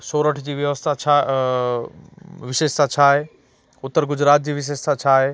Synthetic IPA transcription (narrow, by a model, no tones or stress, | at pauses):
soːɾəʈʰd͡ʑiːʋjɐʋəst̪ʰat͡ɕʰa | ʋɪʃeːʃt̪ʰat͡ɕʰaːɦeː | ʊt̪ːəɾɡʊd͡ʑɾaːt̪̚d͡ʑiːʋɪʃ̬eːʃt̪ʰat͡ɕʰaːɦeː